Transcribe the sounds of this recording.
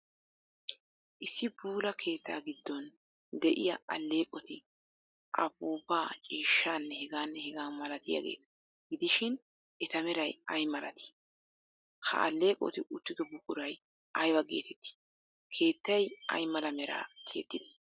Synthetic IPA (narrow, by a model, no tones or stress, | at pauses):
ʔɪsːɪbuːlɐkʰe̞ːt̪ːa̰ːɡɪd̪ːɔn | d̪ɛʔɪ̰jɐʔɐlːe̞ːkʼɔt̪ɪ | ʔɐbuːbaːt͡ʃʼiːʃːaːnːɛhɛɡaːnːɛhɛɡaːmɐlɐt̪ɪjɐ̰ɡḛːt̪ɐ̥ | ɡɪd̪ɪʃɪn | ʔɛt̪ɐmɛɾɐjɐjmɐlɐ̰t̪ʰɪ̥ | hɐ̰ʔɐ̰lːe̞ːkʼɔ̰t̪ɪʔʊt̪ːɪd̪ɔbʊkʼʊɾɐj | ʔɐjwɐɡḛːt̪ʰɛt̪ːɪ̥ | kʰe̞ːt̪ːɐjɐ̰jmɐlɐmɛɾa̰ːt̪ʰḛːt̪ːɪd̪ɐ̥